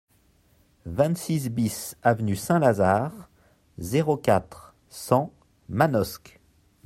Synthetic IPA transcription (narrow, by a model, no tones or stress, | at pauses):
vɛ̃t̪sis̬bisavnysɛ̃lazaːʁ | zeʁokʲat̪χ | sɑ̃ | manɔsk